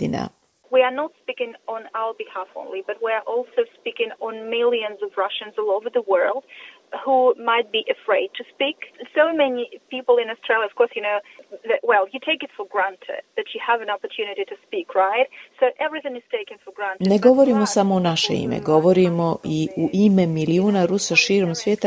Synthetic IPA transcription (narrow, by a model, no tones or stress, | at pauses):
t̪ina̰ | wiə˞nətspikɪ̃ŋə̃naʊə˞bɨhafõ̰ʊ̃nlibʌt̚wiə˞ʔɔlˠsoʊspikɪ̃ŋə̃nmɪlˠjɨ̃nzʌvɹʌʃɨ̃nzɔloʊvə˞ðəwɜ˞lˠd̥ | humaɪt̚b̥iʔɨfɹeɪd̚tʰɨspiksoʊmɛnipipl̩ˠɪ̃nɔstɹ̥eɪljəʌv̥kʰɔɹsjɨnoʊðɨʔ̚wɛlˠjɨtʰeɪkɨtfə˞ɡɹæ̃ntʰɪ̰d̪̚ðɨt͡ʃɨəvɨ̃nɑpə˞tʰjʉnɨɾiɾɨspikʰɹaɪt̚soʊʔɛvɹiθɪ̃ŋɨz̥tʰeɪkɪ̃ŋfə˞ɡɹæ̃nneɡoʋoɾimosamoːnaʃḛḭmḛɡo̞ʋoɾimoʔiuʔimemiliuːnaɾusaʃiːɾomsʋjeːt̪a